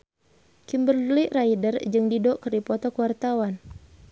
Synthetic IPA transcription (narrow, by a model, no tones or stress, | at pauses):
kimbərdliʔraidərd͡ʒɨŋdidɔʔkərdipɔt̪ɔkuwart̪awan